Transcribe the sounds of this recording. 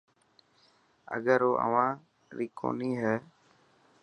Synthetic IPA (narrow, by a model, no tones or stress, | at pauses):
ə̰ɠəɾoːʔə̰ʋãː | ɾiːkʰo̰ːniːɦɛː